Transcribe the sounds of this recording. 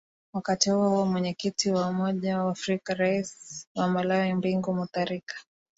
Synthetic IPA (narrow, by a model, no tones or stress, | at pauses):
wakatihuɔɔmwɛɲɛkitʰiwaumɔʄawaːfɾikaɾaiswamalawimbiŋɡumuθaɾikḁ